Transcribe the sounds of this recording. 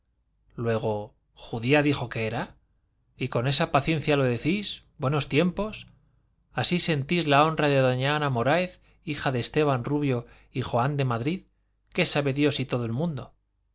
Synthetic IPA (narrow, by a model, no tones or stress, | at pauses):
lwe̞ɣ̞o̞ | xuðiaðixo̞ke̞eɾa | iko̞ne̞sapaθje̞n̟θjalo̞ðe̞θizbwe̞no̞st̪je̞mpo̞s | asise̞nt̪izlao̞nraðe̞ðo̞ɲanamo̞ɾaeθ | ixaðe̞st̪e̞βanruβjo̞ | ixoand̪e̞maðɾið | ke̞saβe̞ðjo̞sit̪o̞ðoelmũnd̪o̞